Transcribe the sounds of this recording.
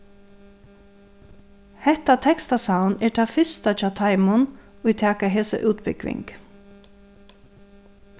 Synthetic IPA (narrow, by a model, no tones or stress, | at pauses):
hɛht̪at̪ʰɛkst̪asawnɛːɹʈ̪ʰaːfʏst̪at͡ʃɑːt̪ʰaɪmʊn | ʊjt̪ʰæːkaɦeːsə̰ʔʉːt̪bɪkʋɪ̰ŋk